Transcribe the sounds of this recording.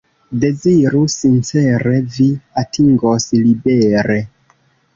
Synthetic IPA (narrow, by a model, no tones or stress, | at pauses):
de̞ziɾusint͡se̞ɾeviatʰiŋɡoslibeɾe̞